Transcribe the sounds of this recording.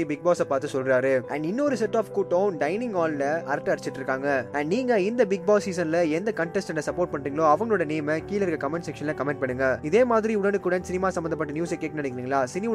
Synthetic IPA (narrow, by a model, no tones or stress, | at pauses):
ibɪɡ̚baːsɐpaːɾt̪ːɯsɔlɾaːɾɯʔɐ̰ːɳɖɪnːɔɾɯsɛʈːaːfkuʈːɐːnɖɐɪnɪ̃ŋɡaːllɐʔɐɾʈːɐɐɾɪt͡ʃːɪʈːɪɾɯkːaːŋɡɐæɖniːŋɡɐɪnd̪ɐbɪɡ̚baːsːiːsɐnlɐɛnd̪ɐkɐɳʈɛsʈɛnːɐsɐpːoːɾʈ̚pɐɳːɾiːɡɐɭoːɐʋɐŋɡɐɭoːɽɐnijɐmɐkiːlɐɾɯkɐkɐmɛnɖsɛkʂɐnlɐ̃kɐmɛɳʈ̚pɐɳːɯŋɡɐɪðeːmaːðɪɾiʊɽɐnɯkːuːɽɐnsɪnɪmaːsɐmbɐnd̪ɐpːɐʈːɐnjuːsɐkːeːʈːɐnɐɽɪkːɪɾiːŋɡɐɭaːsɪnɪ